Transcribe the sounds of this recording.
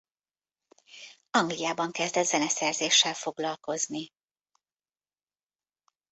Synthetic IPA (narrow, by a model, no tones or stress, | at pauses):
ɒŋɡlijaːbɒŋkɛzd̪ɛzɛnɛsɛrzeːʃːɛlfo̞ɡlɒlko̞zni